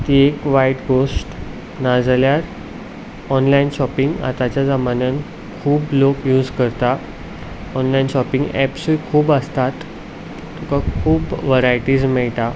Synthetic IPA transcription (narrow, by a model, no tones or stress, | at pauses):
t̪iekʋaiʈɡosʈ | nad͡zljaɾ | ɔnlainɕɔpiŋɡa̰t̪at͡ɕjad͡zamanən | kʰuːblokjuːd͡zkəɾt̪a | ɔnlainɕɔpĩŋɡɛ̰psuikʰuːbəst̪at̪ː | ukakʰuːbʋəɾajʈiːd͡zmɛɭʈa